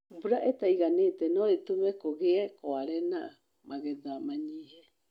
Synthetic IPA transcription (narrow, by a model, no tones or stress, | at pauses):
buɾaʔetaiɣanetenoetumekoɣekoaɾɛna | maɣɛdamaɲiːhe